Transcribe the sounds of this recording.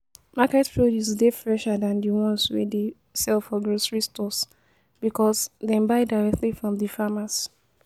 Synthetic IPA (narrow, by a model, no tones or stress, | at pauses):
makɛtpʰɹodjusdefɹɛʃadãndiwɔ̃nswɛ̰de | sɛlfɔɡɹosɹistɔs | b̥ikɔsdɛ̃mbaɪdaɹɛk̚tlifɹɔ̃mdifamas